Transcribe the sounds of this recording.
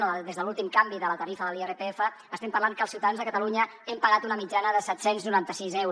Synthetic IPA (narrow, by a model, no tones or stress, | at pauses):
əd̪ezðəlulˠt̪imkambiðələt̪əɾifəðəlierəpeefəːst̪ɛmpərlaŋkəlˠsiuwt̪aðanzðəkət̪əluɲə | ɛmpəɣat̪unəmid͡ʒanəðəsɛt̪senznuɾant̪əsizɛwɾ